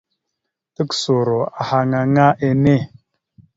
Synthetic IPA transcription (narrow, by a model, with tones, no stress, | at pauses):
tə˦kso˨ɾo˨a˨ha˨ŋa˨ŋa˦ʔe˦ne˦˨